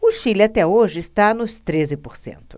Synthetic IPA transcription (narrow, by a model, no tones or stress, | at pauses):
ʊʃilat̪ɛoʒɪːst̪anʊst̪ɾezɪpoɾsḛ̃nt̪ʊ̥